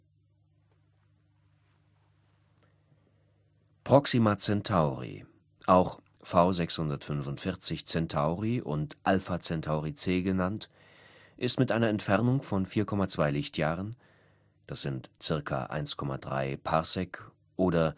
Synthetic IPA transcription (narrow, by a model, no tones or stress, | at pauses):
pʁ̥ɔksimat͡sɛntʰaʊʁḭ | ʔaʊx | faʊzɛkshʊndɐtfʏnfʊntfɪɐt͡sɪçt͡sɛntʰaʊʁiʔʊ̰ntʔalfat͡sɛntʰaʊʁit͡seːɡənant | ʔɪstmɪtʔaɪnɐɛntfɛʁnʊŋfɔnfiːɐkʰɔmat͡sv̥aɪlɪçtjaːʁən | d̥asz̥ɪntt͡sɪɐkʰa̰ʔa̰ɪnskʰɔma̰dʁa̰ɪpʰaʁsɛk | ʔoːdɐ